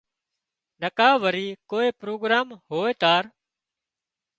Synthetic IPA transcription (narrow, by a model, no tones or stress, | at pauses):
nəkaːʋəɾiːkoːeːpɾoːɡɾaːmɦoːeːt̪aːɾ